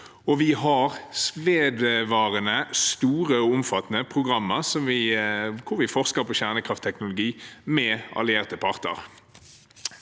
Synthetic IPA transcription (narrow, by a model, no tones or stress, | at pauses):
ɔʋɪɦɑʁsʋeːd̪ʋɑːʁənəst̪uːʁəɔʊmfɑt̪nəpʰʁʊɡʁɑmːəʁsɔmʋɪkʰʊɾʋɪfɔʁskəɾpoɕæʁnəkʰʁɑft̪ʰːɛknʊlʊɡiːmɛɑ̰lɪeːʁt̪əpʰɑʁt̪ə̰ʁ